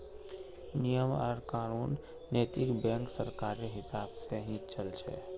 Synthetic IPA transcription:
nijəməɾkaːnuːnː | eːt̪ɪkbɛ̃ːŋksɐ̰ɾkaːɾeɦɪsaːbseɦĩt͡ʃɐlt͡ʃʰḛː

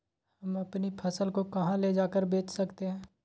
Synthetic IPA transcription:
hɐmɐpnipʰɐsəlkokɐɦãled͡ʒaːkəɾbeːt͡ʃsɐkt̪eɦɛ̃ː

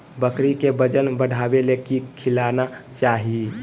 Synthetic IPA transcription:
bəkɾikebəd͡ʒənbəɽʱabelekikʰilanat͡ʃaɦi

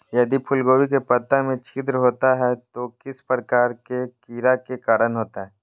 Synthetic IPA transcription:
jɐd̪ipʰʊlɡoːwikepɐt̪ːamẽt͡ʃʰɪd̪ɾəɦoːt̪aɦɛt̪okɪspɾəkaːɾkekiːɾakekaːɾənɦoːt̪aɦɛː

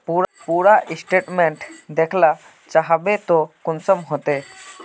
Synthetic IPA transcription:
puːɾpuːɾaʔɪsʈeːʈmẽɳʈd̪eːkʰla | t͡ʃaɦbet̪okʊnsəmɦot̪eː

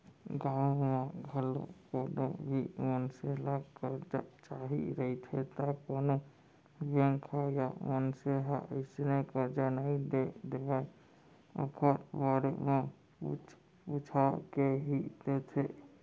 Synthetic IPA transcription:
ɡãːwmẽɡʱəlo̰koːnobʱimənselakəɾd͡ʒat͡ʃaɦḭɾəit̪ʰet̪akoːno | bẽŋkʰajaʋənseɦaəɪsnekəɾd͡ʒanəɦĩd̪ed̪ebae | ə̰kʰəɾbaɾeme | put͡ʃ | put͡ʃʰakeɦid̪et̪ʰe

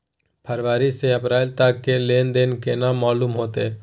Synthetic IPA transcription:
pʰəɾʋaːɾiseəpɾaːlt̪akːeleːnd̪eːnkenaːmːaːluːmɦoːt̪eː

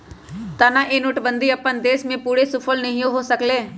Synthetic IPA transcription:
t̪anaʔenʊʈbə̃nd̪iɐpːənd̪eːʃmẽpuːɽesʊpʰəlnɐɦĩoɦosəkleː

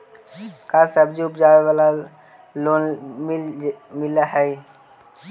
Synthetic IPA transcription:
kaːsəbd͡ʒiʊpd͡ʒaːʋeʋala | loːnmmɪlaɦɛj

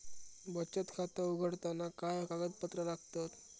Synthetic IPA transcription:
bət͡ɕət̪kʰat̪əuɡʱəɽt̪anakajkaɡət̪̚pət̪ɾəlaɡ̚ʱt̪ət̪

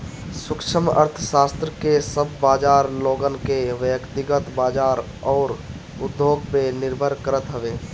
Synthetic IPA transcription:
sʊkʃʰəmə̰ɾt̪ʰəʃaːst̪ɾəkesəbːaːd͡ʒaːɾloːɡənkeʋəkt̪ɪɡət̪baːd͡ʒaːɾ | ɔːɾ | ʊd̪ʱːoːɡmenɪɾbʱəɾkəɾət̪ɦəʋeː

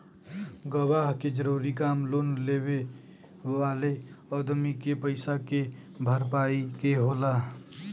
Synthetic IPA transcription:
ɡəbaɦked͡ʒəɾuːɾikaːmloːnleːbe | ʋaːleɔd̪mikepəɪsake | bʱəɾp̬aːikeɦola

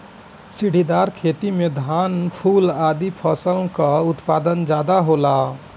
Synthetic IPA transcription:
siɽ̤id̪aɾkʰet̪imed̪ʱanpʰulad̪ipʰəsəlkəut̪pad̪ənd͡ʒad̪aɦola

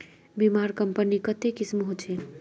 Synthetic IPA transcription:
bimaɾkəmpənikət̪ekismɦot͡ʃʰe

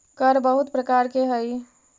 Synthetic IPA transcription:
kəɾbəɦut̪pɾəkaɾkeɦəj

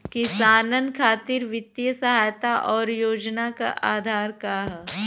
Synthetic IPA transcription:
kisaːnənkʰaːt̪ɪɾʋɪt̪ːjəsɐɦaːjt̪aʔɔːɾjoːd͡ʒnaka̰ʔaːd̪ʱaːɾkaːɦ

